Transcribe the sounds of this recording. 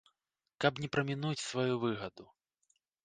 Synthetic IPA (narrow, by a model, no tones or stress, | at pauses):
kɐpnʲɛpɾɐmʲinut͡sʲsvajuvɨɣɐd̪u